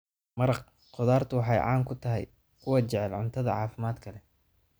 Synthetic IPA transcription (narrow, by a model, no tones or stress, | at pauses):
mɐɾɐq | qʊðaːrt̪ʰʊwɑħɑjʕɑ̰ːŋkʰʊt̪ʰɐɦɛ̰j | kʰʊwɐt͡ʃɛʕɛlʕʊnt̪ʰɐðɐ̰ʕɑːfɪmaːd̪kʰɐlɛ